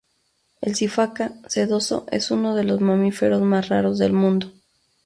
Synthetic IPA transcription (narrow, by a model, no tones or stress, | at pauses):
e̞̰lsifakase̞ðo̞so̞̰ʔe̞̰suno̞ð̞e̞lo̞zmamife̞ɾo̞zmasraɾo̞zðe̞̰lmũnd̪o̞